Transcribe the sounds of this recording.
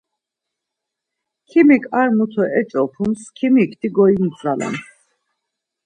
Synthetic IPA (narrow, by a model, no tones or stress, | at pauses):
kʰimikʼaɾmut̪ʰɔʔɛt͡ʃʼɔpʰumskʰimikʰt̪ʰiɡɔimt͡sʰʼɾala̰m